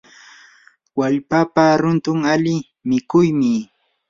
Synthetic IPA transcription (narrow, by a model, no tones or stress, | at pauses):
waʎpapaɾʊnt̪ʊŋalɪ | mɪkʊjmɪ